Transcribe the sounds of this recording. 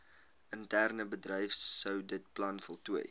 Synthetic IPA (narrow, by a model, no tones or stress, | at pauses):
əntærnəbədrəjfsːəwdət̚plɐnfɔlˠtuə̰j